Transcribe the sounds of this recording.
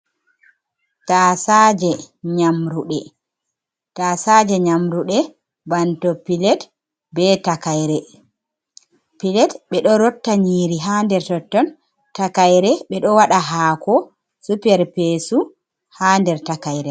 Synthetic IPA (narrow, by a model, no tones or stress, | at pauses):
tasad͡ʒɛ | ɲamɾuɗɛ | taːsad͡ʒɛɲamɾuɗɛ | bantɔpilɛt | bɛtakajɾɛ | pilɛtɓɛɗɔɾɔtːaɲiːɾiɦandɛɾtɔtːɔn | takajɾɛɓɛɗɔwaɗaɦaːkɔ | supɛɾpesu | haːndɛɾtakajɾɛ